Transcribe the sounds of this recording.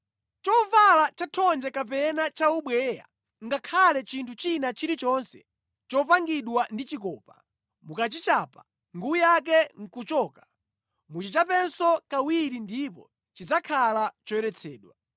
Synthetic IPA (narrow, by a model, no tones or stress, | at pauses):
t͡ʃɔvalat͡ʃatʰɔnd͡ʒɛkap̬ɛnat͡ʃauɓwɛja̰ | ŋɡakʰalɛt͡ʃintʰut͡ʃinat͡ʃiɾit͡ʃɔnsɛ | t͡ʃɔpaŋɡiɗwandit͡ʃikɔːpa | mukat͡ʃit͡ʃaːpa | ŋɡuujak̬ɛŋ̩kut͡ʃɔːka | mut͡ʃit͡ʃapɛnsɔkawiɾindipɔ̰ | t͡ʃid͡zakʰalat͡ʃɔɛɾɛt͡sʰɛːɗwa